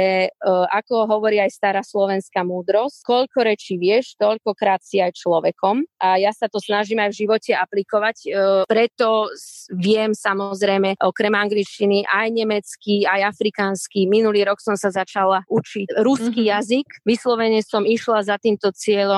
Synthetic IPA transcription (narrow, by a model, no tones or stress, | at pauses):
ɛʔakɔɦɔʋɔɾiːajst̪aɾaːslɔʋɛnskaːmuːd̪ɾɔsckɔʎkɔɾɛt͡ʃiʋɪɛʃt̪ɔʎkɔkɾaːt̪siajt͡ʃlɔʋɛkɔmʔajasat̪ɔsnaʒiːmajvʒiʋɔcɛaplikɔʋacpɾɛt̪ɔʋɪɛmsamɔzɾɛjmɛʔɔkɾɛmaŋɡlit͡ʃciniʔajɲɛmɛt͡skiajafɾikaːnskiminuliːɾɔksɔmsazat͡ʃalaʔut͡ʃiɾuskijazikʋislɔʋɛɲɛsɔmiʃlazat̪iːmt̪ɔt͡sɪɛʎɔ